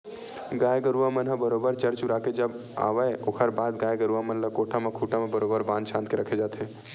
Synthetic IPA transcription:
ɡaːjɡəɾuʋamənɦəbəɾoːbəɾt͡ʃəɾt͡ʃuɾaːked͡ʒəb | a̰ːʋəjokʰəɾbaːd̪ɡaːjɡəɾuʋamənləkoːʈʰamekʰuːʈamẽbəɾoːbəɾbãːnd̪ʃʰãːnt̪̚keɾɐkʰed͡ʒaːt̪ʰe

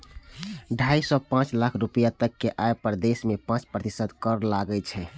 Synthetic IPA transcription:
ɖʱaisɔpãt͡ʃlakʰɾupijat̪əkːeʔaepəɾd̪esmepãt͡ʃpɾət̪isəd̪kəɾlaɡɛt͡ʃʰɛ

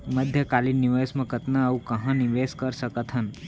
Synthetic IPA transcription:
məd̪ʱjəkalinːiʋesmɐ̃kət̪naːũkɐɦãniʋeskəɾsəkət̪ɦən

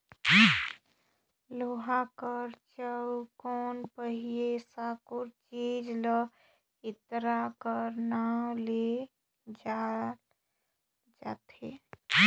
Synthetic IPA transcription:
loːɦakəɾt͡ʃəkɔːnpəɦijesaːkʊɾt͡ʃiːd͡ʒlə | ɪt̪ɾakəɾnale | d͡ʒal | d͡ʒaːt̪eː

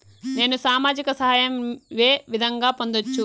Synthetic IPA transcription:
ne̞ːnusaːmaːd͡ʒikɐsɐɦaːjɐmʋe̞ːʋid̪ʱɐŋɡaːpo̞nd̪ot͡ʃːu

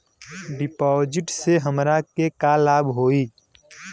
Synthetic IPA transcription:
ɖɪpɔːd͡ʒɪʈseɦəmɾakekalaːbɦoːiː

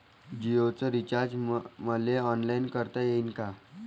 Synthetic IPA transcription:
d͡ʑiot͡səɾit͡ɕaɾd͡ʑməleɔnlainkəɾt̪ajeinka

